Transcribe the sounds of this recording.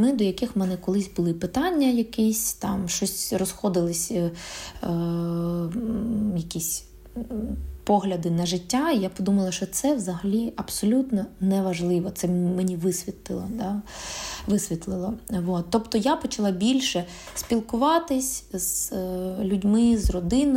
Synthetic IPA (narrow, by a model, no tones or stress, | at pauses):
mɪd̪ɔjɐkɪxmɛnɛkɔlˠɪsʲbʊlˠɪpɪt̪ɑnʲːɐjɐkɪsʲt̪ɑmʃt͡ʃɔsʲrɔsxɔd̪ɪlˠɪsʲ | jɐkʲisʲ | pɔɦlʲɐd̪ɪnɐʒɪtʲːaijapɔd̪umɐlˠɐʃt͡ʃɔt̪sɛʋzɐɦɐlʲiʔɐbsɔlʲut̪nɔnɛʋɐʒlˠɪʋɔt̪sɛmenʲiʋɪsʲʋʲit̪lˠɪlˠɔd̪ɑ | ʋɪsʲʋʲit̪lˠɪlˠɔʋot̪ːɔpt̪ɔjapɔt͡ʃɐlˠɑbʲilʲʃɛ | sʲpʲilˠkʊʋɑt̪ɪsʲz̥ | lʲudʲmɪzrɔd̪ɪnɔ